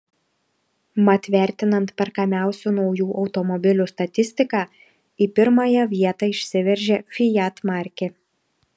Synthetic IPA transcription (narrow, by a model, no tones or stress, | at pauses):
mɐt̪ʲʋʲæˑɾʲt̪ʲɪnɐnt̪pʲɛɾkɐmʲæˑʊsʲunɒʊjuːʔɒʊt̪ɔmɔbʲɪlʲust̪ɐt̪ʲɪsʲt̪ʲɪkɑː | iːpʲɪɾmɑjɛʋʲiɛt̪ɑɪʃʲsʲɪʋʲɛɾʲʒʲeːfʲɪjæt̪mɑɾʲkʲɪ